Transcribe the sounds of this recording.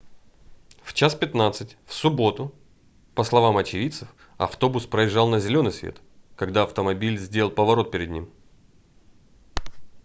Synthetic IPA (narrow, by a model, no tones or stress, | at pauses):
ft͡ɕaspʲɪt̪nat̪sɨtʲfsʊbo̞t̪ʊ | pəslˠɐvamɐt͡ɕɪvʲit̪sɨf | ɐ̰ft̪o̞bʊspɾəɪʐːɑlˠnəzʲɪlʲo̞nɨjsvʲḛt̪ | kɐɡd̪aɐft̪əmɐbʲilʲzʲdʲeəlˠpəvɐɾo̞t̪̚pʲɪɾʲɪd̪nʲḭm